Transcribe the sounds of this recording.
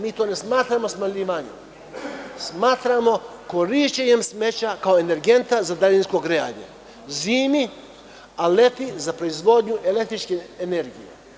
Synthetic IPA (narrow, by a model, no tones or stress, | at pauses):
miːt̪oːne̞smaːt̪ɾamo̞smaʎiːʋaɲḛ | smaːt̪ɾamo̞ko̞ɾiʃt͡ɕeɲe̞msme̞t͡ɕakao̞ene̞ɾɡe̞nt̪azad̪alinsko̞ɡɾea̰ɲḛ | ziːmi | ale̞t̪izapɾo̞izʋo̞d̪ɲuʔe̞le̞k̚t̪ɾit͡ʃkeːne̞ɾɡijḛ